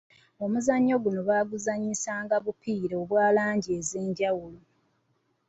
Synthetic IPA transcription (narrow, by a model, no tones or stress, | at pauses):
o̞muzaɲːo̞ɡuno̞βaːɡuzaɲisaːŋɡaβupiːɾeoβwaːlaːɲɟiezeːɲɟawulo